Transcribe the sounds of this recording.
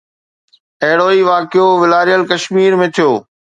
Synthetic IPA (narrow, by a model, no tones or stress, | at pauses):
ɐɦɽoːiʋaːkjoːʋɪlaːɾijəlkɐʃmiːɾmẽːt̪ʰijoː